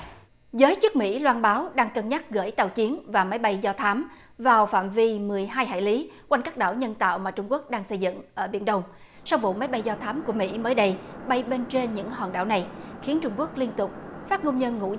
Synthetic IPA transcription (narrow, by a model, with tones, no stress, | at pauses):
zəː˨˦jt͡ɕɨ˦˥ək̚mḭ˧˥lwaː˧nɓaː˨˦wɗaː˧ŋkə˨˩nɲa˦˥t̚ɣə̰ː˧˥jt̪a̰˧˩wt͡ɕi˨˦ənvaː˨˩ma˨˦jɓa˧jzɔ˧t̪ʰaː˨˦m | vaː˨˩wfa̰ː˧˨mvi˧mɨ˨˩əjɦaː˧jhɦa̰ː˧˨jli˨˦kwa˧jnkaː˦˥k̚ɗa̰ː˧˩wɲə˧nt̪a̰ː˧˨wmaː˨˩t͡ɕʊ˧ŋ͡mku˦˥ək̚ɗaː˧ŋsə˧jzɨ̰˧˨ŋʔəː˧˩ɓḭ˧˩ənɗə˧wŋ͡m | sa˧wvṵ˧˨ma˨˦jɓa˧jzɔ˧t̪ʰaː˨˦mku˧˩əmḭ˧˥məː˨˦jɗə˧jɓa˧jɓe˧nt͡ɕe˧nɲɨ̰˧˥ŋha̰ː˧˩nɗa̰ː˧˩wna˨˩jxi˨˦ənt͡ɕʊ˧ŋ͡mku˦˥ək̚li˧ənt̪ʊ˨˩k͡p̚ | faː˦˥p̚ŋo˧wŋ͡mɲə˧nŋṵ˧˥